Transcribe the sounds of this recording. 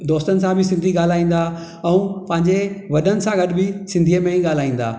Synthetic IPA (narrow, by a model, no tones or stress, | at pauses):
d̪ɔːst̪ənɪ̆sãbʱɪsɪ̃nd̪ʱiɠaːl̤aːĩːn̆d̪aː | ɛ̃ũpɐ̃ɦɪ̃ɲd͡ʑeʋɐɗənɪ̆sãɡɐɗɪbʱɪsɪ̃nd̪ʱiːəmẽĩɠaːl̤aːĩːn̆d̪a̰ː